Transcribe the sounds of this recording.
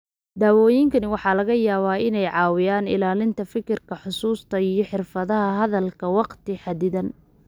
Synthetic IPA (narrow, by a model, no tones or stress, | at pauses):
d̪aːwɔːjɪŋkʰɐnɪwɑħɑːlɐɣɐjaːβaːɪnɛjʕɑːwɪjaːnɪ̰laːlɪnt̪ʰɐfɪkɪrkʰɐħʊsuːst̪ʰɐijɞħɪrfɐðɐɦɐɦɐðɐlkʰɐwɑqt̪ʰɪħɑd̪ɪðɐn